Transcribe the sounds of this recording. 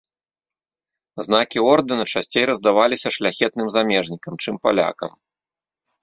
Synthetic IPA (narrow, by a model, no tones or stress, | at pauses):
znakʲiɔrd̪ɨnɐt͡ʂasʲt͡sʲejɾɐzd̪avalʲisʲɐʂlʲaxʲɛt̪̚nɨmzamʲɛʐnʲikɐmt͡ʂɨmpa̰lʲa̰kɐ̰m